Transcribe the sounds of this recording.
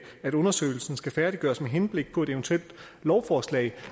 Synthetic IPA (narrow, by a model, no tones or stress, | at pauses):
æɾ̥ɔ̽nɐsø̰ːɪl̩sn̩sɡ̥æfæɐɾ̥iɡ̥ɶːɐsmeɦenb̥le̝ɡ̥̚pʰɒ̽e̝d̥eʋnt͡sʰuel̰d̥ | lɒʊfɒslɛ̰ɪ